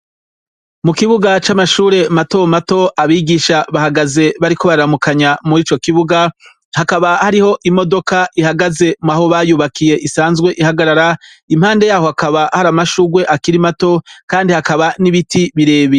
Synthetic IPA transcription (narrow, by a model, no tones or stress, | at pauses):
mukiβuɡat͡ʃamaʃuːɾe̞mato̞mato̞ʔaβiːɡiʃaβahaɡaze̞βaɾiko̞βaɾamukaɲamuɾiːt͡ʃo̞kiβuɡa | hakaβahaɾiho̞ʔimo̞do̞kaʔihaɡaze̞maho̞βaːjuːβakʰije̞ʔisaːnzɡwe̞ʔihaɡaɾaɾa | im̥haːnde̞jaːho̞hakaβahaɾamaʃuːɡwe̞ʔakiɾimato̞kaːndihakaβaniβitiβiɾe̞ːβi